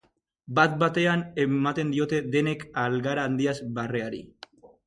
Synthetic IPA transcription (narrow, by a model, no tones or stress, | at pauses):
bat̪̚bat̪e̞ane̞mat̪e̞nd̪io̞t̪e̞ðe̞ne̞kalɡaɾaːnd̪iazbare̞aɾḭ